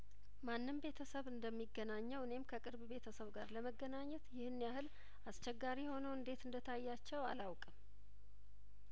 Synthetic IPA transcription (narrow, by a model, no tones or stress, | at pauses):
manːɨmbe̞t̪ʰəsəβɨnd̪əmːiɡːənaɲːɛwɨne̞mkʰəkʼɨɾbbe̞t̪ʰəsəβɡaɾləməɡːənaɲːɛt̪jɪhɨnːijahɨl | ast͡ʃɛɡːaɾiho̞nəwɨnd̪e̞t̪ɨnd̪ət̪ʰajːat͡ʃːɛwa̰lawkʼəm